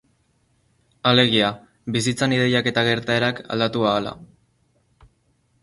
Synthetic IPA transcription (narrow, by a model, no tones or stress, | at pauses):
ale̞ɣ̞ia | βisit͡sanið̞e̞jake̞t̪aɣ̞e̞ɾt̪ae̞ɾaka̰ld̪at̪uaːla̰